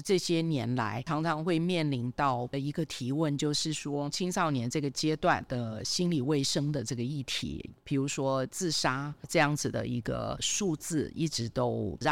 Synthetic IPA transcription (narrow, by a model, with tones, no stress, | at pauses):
ʈ͡ʂɤ˥˩ɕjɛ˥njɛ˧˥nla̰˧˥ɪɑ˧˥ŋʈ͡ʂʰɑ˧˥ŋxwe˥˧ɪmjɛ˥˩nli˧˥nt̪ɑ˥˩ʊ˧i˧˥ɡə˧t̪ʰi˧˥wə˥˧nt͡ɕjo˥˧ʊʂɻ̩˥˩ʂwɔ˥t͡ɕʰi˥ŋsɑ˥˩ʊnjɛ˧˥nʈ͡ʂɤ˥˩ɡə˩t͡ɕjɛ˥t̪wa˥˩nd̪ə˩ɕi˥nli˨˩we˥˩ɪʂɤ˥ŋd̪ə˨ʈ͡ʂɤ˥˩ɡə˩i˥˩t̪ʰḭ˨˥˦pʰi˨˩ɻu˧˥ʂwɔ˥t͡sɹ̩˥˩ʂa˥ʈ͡ʂɤ˥˧jɑ˥˩ŋd͡zɹ̩˨˩d̪ə̰˩ḭ˧˥ɡə̰˧ʂu˥˧t͡sɹ̩˥˩ḭ˥˩ʈ͡ʂɻ̩˧˥t̪o˥ʊ˧